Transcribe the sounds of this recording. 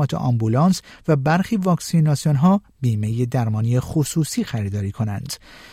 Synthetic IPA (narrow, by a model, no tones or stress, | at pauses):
ɒːt̪ʰḛʔɒ̰mbulɒːnsvæbæɾxiːvɒːksinɒːsijonɦɒː | biːme̞jed̪æɾmɒːniːjexosuːsiːxæɾiːd̪ɒːɾiːkʰo̞nænd̪̥